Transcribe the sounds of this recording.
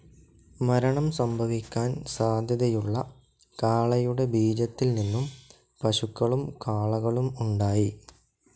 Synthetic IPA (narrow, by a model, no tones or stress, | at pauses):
mɐɾɐɳɐmsɐmbʱɐʋikʲːaːnsaːd̪ʱjɐðɐjuɭːɐ | kaːɭɐjuɽe̞bʱiːd͡ʑɐt̪ːilninːum | pɐɕukːɐɭumkaːɭɐɣɐɭumuɳɖaːji